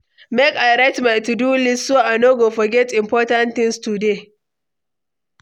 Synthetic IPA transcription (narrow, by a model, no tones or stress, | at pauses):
mɛkajɾɛtmatudulɪsoʔanoɡofɔɡʲɛtɪmpɔːtantɪnstude